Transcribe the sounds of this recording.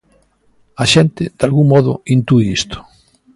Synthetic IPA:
aʃɛnt̪ɪd̪̥alɣuŋmɔðʊ̰int̪uiist̪ʊ̥

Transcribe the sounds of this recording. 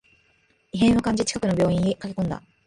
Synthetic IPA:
iɦẽ̞ɰ̃okãɲ̟d͡ʑit͡ɕi̥kakɯ̟no̞bʲjo̞ːĩɲːikake̞kõ̞nd̪a̰

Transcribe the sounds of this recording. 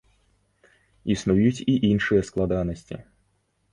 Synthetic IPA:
isnujut͡sʲiʔinʂɨjɐsklˠad̪anɐsʲt͡sʲḭ

